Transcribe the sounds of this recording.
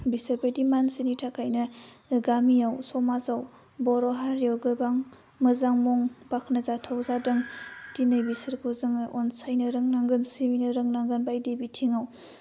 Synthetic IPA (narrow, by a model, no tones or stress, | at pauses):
bisɯɾbajdimansinitʰakʰajnɐɡamiawsɔmazaw | bɔɾɔɦaɾijawɡɯbaŋ | mɯzaŋmuŋbakʰnɐzatʰawzadɯŋdinajbisɯɾkʰuzɯŋʔɔnsajnɐɾɯŋnaŋɡɯnsiwinɐɾɯŋnaŋɡɯnbajdibitʰiŋaw